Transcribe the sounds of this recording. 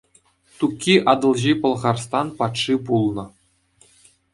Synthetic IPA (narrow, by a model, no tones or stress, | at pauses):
t̪ukʲːiʔɑd̪ɤ̆lˠʑipɤ̆lˠʁɑrst̪ɑnpɑt̪ʂipulˠnɤ̆